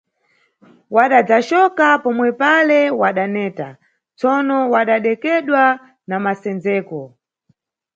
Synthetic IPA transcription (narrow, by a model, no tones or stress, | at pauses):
waɗad͡zaʃɔkapɔmwɛpalɛwaɗanɛːta̰ | t͡sɔnɔwaɗaɗɛkɛɗwa | namasɛnd͡zɛːkɔ